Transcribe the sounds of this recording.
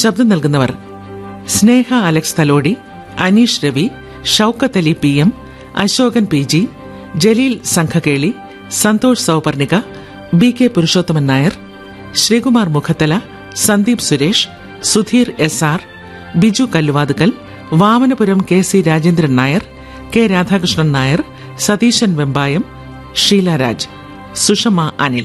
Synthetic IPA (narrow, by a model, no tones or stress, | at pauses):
ɕɐb̚d̪ɐmnɐlkunːɐʋɐ̰r | sne̞ːhɐɐlɐkst̪ʰɐlo̞ːɽi | ɐniːʂɾɐʋi | ʂɐwkːɐt̪ːɐlipiem | ɐ̰ɕoːɡɐnpiːd͡ʑi | d͡ʑe̞liːlsɐŋkʰɐke̞ːɭi | sɐnt̪oːʂɐsɐwpɐrniɣɐ | bikːepuɾiʂo̞ːd̪ːɐmɐnnaːjɐr | ɕriːkumaːrmukʰɐt̪ːɐlɐ | sɐnd̪iːpsuɾeːʂ | sud̪ʱiːresaːr | bid͡ʑukɐlːuʋaːd̪ukːɐl | ʋaːmɐnɐpuɾɐmkeːsiɾaːd͡ʑeːnd̪ɾɐnaːjɐr | keːɾaːd̪ʱaːkrɨʂɳɐnnaːjɐr | sɐd̪iːɕɐnʋembaːjɐm | ʂiːlaːɾa̰ːd͡ʑ | suʂɐmaʔɐ̰nil